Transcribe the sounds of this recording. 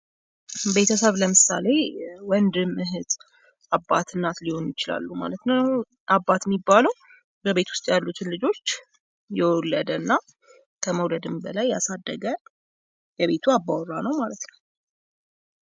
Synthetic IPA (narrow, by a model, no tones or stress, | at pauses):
be̞t̪ʰəsəβləmɨsa̰le̞wɔnd̪ɨmɨɦɨt̪ʼ | abːat̪ʰɨnːat̪liho̞njɪt͡ʃɪla̰lːuma̰lət̪nə | ʔabːat̪jɛmːibːaləw | bəβe̞t̪wʊ̥st̪ʼjalːut̪ʰɨnlɨd͡ʒo̞t͡ʃː | jɛwɔlːəd̪ənːa | kʰəməwləd̪ɨmbəlajːasad̪ːəɡə | jɛβe̞t̪ʰuabːawɔranəwmalət̪nəw